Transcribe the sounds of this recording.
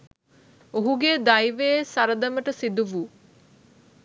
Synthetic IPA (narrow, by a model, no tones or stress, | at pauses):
oɦuɡed̪ajʋeːsaɾəd̪əməʈəsid̪uʋu